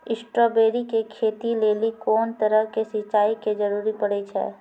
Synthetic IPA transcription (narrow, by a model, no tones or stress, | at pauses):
ɪsʈɾoːbeːɾikekʰeːt̪ileːlikɔːnt̪əɾəɦkesɪt͡ʃaːiked͡ʒəɾuːɾipəɽɛt͡ʃʰɛ̰ː